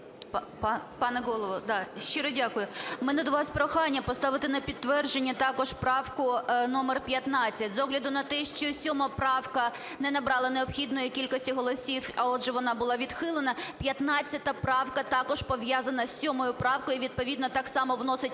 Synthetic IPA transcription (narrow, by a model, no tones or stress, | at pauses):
ppɑpɑnɛɣɔlˠɔʋɔd̪ɑʃt͡ʃːiɾɔdʲakʊjʊmɛnɛd̪ɔʋɑspɾɔxɑnʲːɐpɔst̪ɑʋɪt̪ɪnɐpʲid̪tːʋɛrd͡ʒenʲːɐt̪ɑkɔʒpɾɑwkʊnɔmerpʲjɐt̪nɑt͡sʲːɐtʲzɔɦlʲɐd̪ʊnɐt̪ɛʃt͡ʃɔsʲɔmɐpɾɑwkɐ | nɛnɐbɾɑlˠɐneɔpxʲid̪nɔjikʲilʲkɔsʲtʲiɦɔlˠɔsʲiwɐɔdʒɛʋɔnɑbʊlˠɑʋʲid̪xɪlˠenɐpʲjɐt̪nɑt͡sʲːɐt̪ɐpɾɑwkɐt̪ɑkɔʒpɔʋjazɐnɐsːʲɔmɔjʊpɾɑwkɔjiʋʲid̪̚pɔʋʲid̪nɔt̪ɑksɑmɔʋnɔsɪtʲ